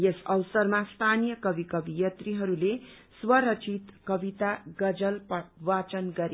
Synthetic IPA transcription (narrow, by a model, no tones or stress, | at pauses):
jesʌwsʌrmast̪ʰanijʌkʌbikʌbijʌt̪riɦʌɾule | swʌɾʌt͡ʃʰit̪kʌbit̪aɡʌd͡zʌlpʌwat͡sʌnɡʌɾe